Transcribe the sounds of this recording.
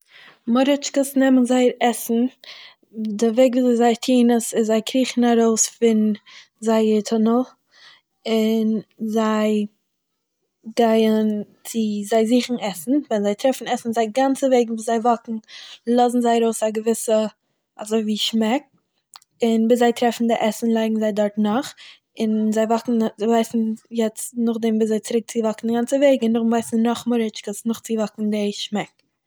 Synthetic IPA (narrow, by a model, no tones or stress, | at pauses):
mɔɾɪt͡ʃkəsnɛmənzaɪɾɛsn̩ | dɪveɪɡviːzzaɪtʰiːnəsɪzaɪkʰɾiːχn̩aɾoʊsfɪn | zaɪətʰʊnəlˠ | ɪnzaɪ | ɡaɪən | t͡sɪzaɪziːχn̩ɛsn̩vɛnzaɪtɾɛfn̩ɛsn̩zaɪɡant͡səveɪɡŋ̩vuːzaɪvɔkŋ̩lˠɔzn̩zaɪəɾoʊsaɡəvɪsə | azoɪviːʃmɛk̚ | ɪnbiszaɪtɾɛfn̩dɪʔɛsn̩lˠaɪɡŋ̩zaɪdɔɾtnɔχ | ɪnzaɪvɔkŋ̩zvaɪsn̩jɛt͡snʊχdɛmviːszaɪt͡sɪɾɪk̚t͡sɪvɔkn̩dɪɡant͡səveɪɡɪnʊχvaɪsn̩nɔχmʊɾɪt͡ʃkəsnʊχt͡sɪvɔkŋ̩dɪʃmɛk̚